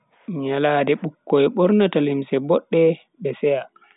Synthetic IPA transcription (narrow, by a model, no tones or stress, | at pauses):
ɲalaːdɛɓukːɔɛɓɔɾnatalimsɛbɔɗːɛ | ɓɛsɛja